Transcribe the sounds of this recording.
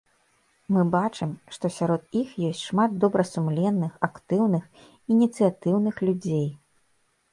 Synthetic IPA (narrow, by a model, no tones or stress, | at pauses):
mɨbat͡ʂɨmʂt̪ɔsʲaɾɔt̪ixjɔsʲtʲʂmad̪d̪ɔbɾɐsumlʲɛnːɨxakt̪ɨwnɨx | inʲit̪sɨjat̪ɨwnɨxlʲud͡zʲej